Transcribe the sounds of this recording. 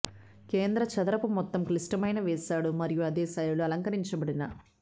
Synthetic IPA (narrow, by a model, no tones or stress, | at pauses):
keːnd̪ɾɐt͡ʃɐd̪ɐɾɐpumɔt̪ːɐmklisʈɐmɐjnɐʋɛːsaːɽumɐɾijuɐd̪ɛːsaːjuluɐlɐŋkɐɾiɲt͡ʃɐbɐɽinɐ